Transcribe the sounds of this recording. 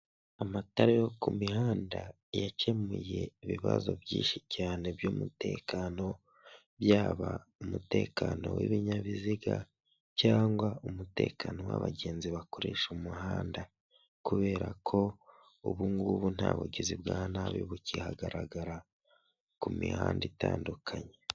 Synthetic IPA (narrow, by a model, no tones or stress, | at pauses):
amataɾejokumihaːnda | jace̞muje̞iβiβa̰zo̞̰bjiːnʃicaːne̞bjoːmute̞̰ːkano̞ | βjaːβaumute̞ːkano̞̰wḭβiɲaβiziɡa | caːŋɡwaumute̞ːkʰano̞wa̰βaɟe̞ːnziβakoɾeʃumuɦaːnda | kuβe̞ːɾakʰo̞ | uβuŋɡuβun̥haːβuɟizibɡaːnaβiβucihaɡaɾaɡaɾa | kumihaːnditaːndukʰaɲe